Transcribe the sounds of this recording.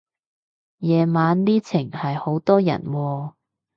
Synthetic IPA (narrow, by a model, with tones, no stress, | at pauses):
jɛː˨˧maː˨˧nliː˥t͡sʰɪ˨˩ŋhɐ˨jho˨˥wt̪ɔː˥jɐ̰˨˩nwɔː˧